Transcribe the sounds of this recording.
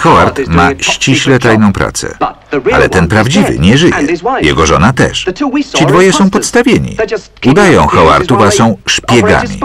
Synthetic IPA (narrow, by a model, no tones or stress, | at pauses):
xɔwaɾt̪maɕt͡ɕiɕlɛt̪ajnɔ̃w̃pɾa̰t̪sɛ̰ | a̰lɛ̰t̪ɛnpɾavd͡ʑivɘ̰ɲɛʐɘjɛjɛɡɔʐɔnat̪ɛ̰ʂt͡ɕid̪vɔjɛsɔ̃w̃pɔt̪st̪avʲjeɲḭ | ud̪ajɔ̃w̃xɔwa̰ɾt̪ufasɔ̃w̃ʂpʲjɛɡa̰mʲḭ